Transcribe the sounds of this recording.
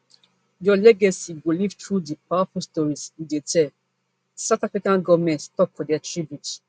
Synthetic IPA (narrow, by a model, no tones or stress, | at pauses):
jɔlɛɡasiɡolivtɹudipawafɔlstɔɹisidetʰɛl | saʊtafɹikãnɡɔvmɛ̃ntstɔpfɔdɛatɹibjut